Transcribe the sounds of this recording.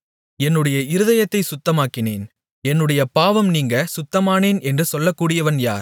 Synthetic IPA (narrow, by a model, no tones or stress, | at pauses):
ɛnːɯɽɐjɐɪɾɯðɐjɐt̪ːɐɪsʊt̪ːɐmaːkːɪnḛːn | ɛnːɯɽɐjɐpaːʋɐmniːŋɡɐsʊt̪ːɐmaːneːnɛndrɯsɔlːɐkːuːɽɪjɐʋɐnja̰ːɾ